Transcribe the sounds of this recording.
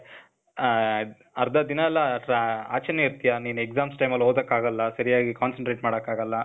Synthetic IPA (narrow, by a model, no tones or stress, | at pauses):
ɐɾd̪ɐd̪inɐɛlːɐʈa̰ːt͡ʃɐnjɐiɾt̪ijaniːnuekzaːmsʈɐjmɐlːoːd̪ɐkːaːɡɐlːɐsɐɾijaːɡikaːnsɐɳʈɾeːʈmaːɽɐkːaːɡɐlːɐ